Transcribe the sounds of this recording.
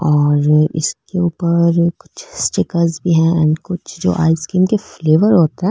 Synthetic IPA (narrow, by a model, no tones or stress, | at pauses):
ɔːɾɪ̰skeuːpəɾkʊ̥t͡ʃʰsʈɪkəɾzbʱiɦɛ̃ɛ̰̃ɳɖkʊt͡ʃʰd͡ʒo̰ːʔa̰ːɪskiːmkefleːʋəɾɦoːt̪aɦɛ̃